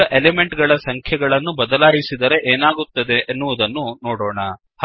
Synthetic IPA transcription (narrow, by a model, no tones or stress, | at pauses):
ɐʔeleme̞ɳʈɡɐɭɐsɐŋkʰjɐɡɐɭɐnːubɐd̪ɐlaːjisid̪ɐɾe̞ʔeːnaːɡut̪ːɐd̪e̞ʔːnːuʋud̪ɐnːunoːɽoːɳɐ | h